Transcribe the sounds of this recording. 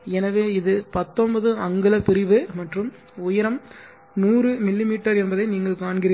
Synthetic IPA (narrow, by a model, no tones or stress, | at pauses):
ɛnɐʋeːɪðɯpɐt̪ːɔnbɐðɯɐŋɡɯlɐpɪɾɪʋɯmɐʈrɯm | ʊjɪɾɐm | nuːrɯmɪlːɪmiːʈːɐɾɛnbɐðɐɪniːŋɡɐɭkaːɳɡɪɾɪ